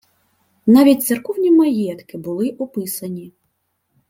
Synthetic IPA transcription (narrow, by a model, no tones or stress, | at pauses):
navʲitʲt̪sɛrkɔwnʲimajɛt̪kɨbulˠɨʔupɨsɐnʲi